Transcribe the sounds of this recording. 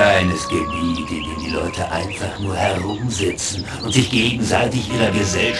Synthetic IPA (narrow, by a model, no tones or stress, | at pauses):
aɪnɛsɡ̥əbiːdɪndeːmdiːlɔʏtʰəʔa̰ɪnfaχnuːɐhɛʁʊmzɪt͡sn̩ | ʔʊntz̥ɪçɡ̥eːɡŋ̩zaɪtɪçʔiːʁɐɡəzɛlʃ